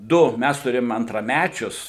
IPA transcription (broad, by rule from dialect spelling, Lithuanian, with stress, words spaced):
ˈdʊ ˈmʲæs tʊˈrʲeːjoːm ɐntrɐˈmʲæt͡ʃʲʊs